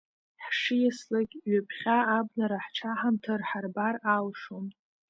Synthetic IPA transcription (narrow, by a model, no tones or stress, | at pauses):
ħʂɨjaslaɡʲɥapʰχʲaːbnaɾaħʈ͡ʂʰaħamtʰɨrħarbaralʂom